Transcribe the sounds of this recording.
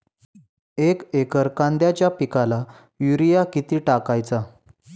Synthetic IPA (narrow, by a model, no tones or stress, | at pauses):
ekekəɾkãnd̪jat͡ɕjapikala | juɾijakit̪iːʈakajt͡sa